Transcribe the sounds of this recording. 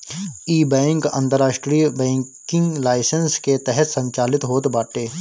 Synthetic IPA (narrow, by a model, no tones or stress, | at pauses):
iːbɛ̃ːŋkə̰̃nt̪əɾːaːʃʈɾijəbɛ̃ːŋ | kɪ̃ŋɡlaːɪsənsket̪ɛɦɛt̪sə̃ɲt͡ʃaːlɪt̪ɦoːt̪baːʈeː